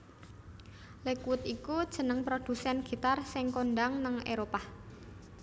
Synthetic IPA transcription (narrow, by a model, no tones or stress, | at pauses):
lekwʊt̪ikud̥ʒ̥ə̤nəŋpɾod̪̥ṳsɛnɡ̥i̤t̪arsɪŋkonɖaŋnaŋʔeɾopah